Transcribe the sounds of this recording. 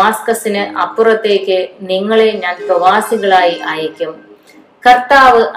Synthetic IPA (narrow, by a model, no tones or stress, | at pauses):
aːskɐsinɨʔɐpːurɐt̪ːe̞ːkʲːɨniŋːɐɭeɲaːnprɐʋaːsiɣɐɭaːjiʔaːjɐkʲːum | kɐrt̪aːʋɨʔ